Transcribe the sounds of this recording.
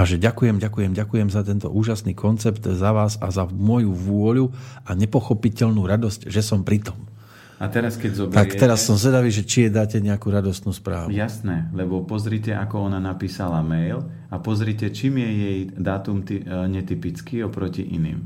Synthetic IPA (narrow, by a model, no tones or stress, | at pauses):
aʒɛɟakujɛmɟakujɛmɟakujɛmzat̪ɛnt̪ɔ̰ʔuːʒasniːkʰɔnt͡sɛpt̪zaʋaːzazamʊɔjuʋʊɔʎuaɲɛpɔxɔpicɛʎnuːɾad̪ɔscʒɛsɔmpɾit̪ɔm | at̪ɛɾaskɛɟzɔbt̪ak̪ɛɾasːɔmzʋɛd̪aʋiːʒɛt͡ʃijɛd̪aːcɛɲɛakuɾad̪ɔst̪nuːspɾa̰ːʋjujasnɛlɛbɔpɔzɾicɛʔakɔɔnanapiːsalamɛjl | apɔzɾicɛt͡ʃiːmjɛjɛjd̪aːt̪umt̪iɲɛt̪ipit͡skiɔpɾɔcḭʔḭnḭːm